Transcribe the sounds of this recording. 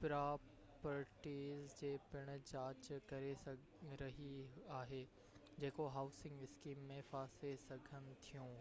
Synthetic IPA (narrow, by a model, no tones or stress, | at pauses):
pɾaː | pəɾʈiːzd͡ʑeːpɪɽ̃̆t͡ɕaːt͡ɕkɐɾesɐ | ɾɐɦiaːɦeː | d͡ʑeːkoɦaːʊsɪ̃ŋɡɪskiːmːẽfaːsesɐɡʱənɪ̆t̪ʰijũː